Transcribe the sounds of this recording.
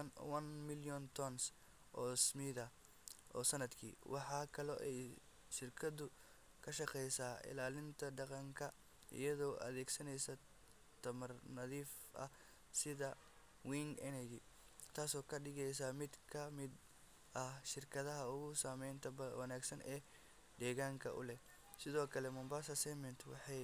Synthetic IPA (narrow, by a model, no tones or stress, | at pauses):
nwɐnmɪljɔnt̪ʰɔns | ʔɔːsmiðɐ | ʔɔ̰ːsɐnɐd̪kʰḭːwʔɑħɑːkʰɐlɔʔɛj | ʃɪrkʰɐd̪ʊ | kʰɐʃɑqɛjsaːɪ̰laːlɪnt̪ʰɐɖɑqɑŋkʰɐ | ʔɪ̰jɐðɔːʔɐ̰ðɛːɡsɐnɛjsɐ | t̪ʰɐmɐrnɐðiːf | ʔɐ̰ | sɪðɐ | wiːŋɛnɛɣɪ | t̪ʰaːsɔːkʰɐɖɪɣɛjs̬aːmɪd̪kʰɐmɪd̪ | ʔɐhʃɪrkʰɐðɐɦɐʊɣʊsaːmɛjnt̪ʰɐbɐwɐnaːɡsɐnɛː | d̪ɛːɣaːŋkʰɐ̰ʔʊ̰lɛh | sɪðɔːkʰɐlɛmʊmbaːsɐsɛmɛnt̪ʰwɑ̰ħɑj